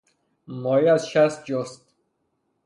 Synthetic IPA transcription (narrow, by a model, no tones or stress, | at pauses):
mɔiæzʃæst̪̚d͡ʒɔst̪